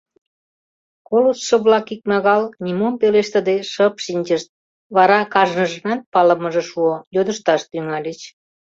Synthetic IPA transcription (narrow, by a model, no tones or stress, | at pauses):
kolusʃə̆βlɑkik̚mɑɣɑlnʲimumpeleʃt̪ə̆d̪eʃəpʃinʲt͡ɕəʃt̪̚ | βɑɾɑkɑʒnəʒənɑnpɑlə̆məʒĕʃuojod̪əʃt̪ɑʃt̪yŋɑlʲet͡ɕ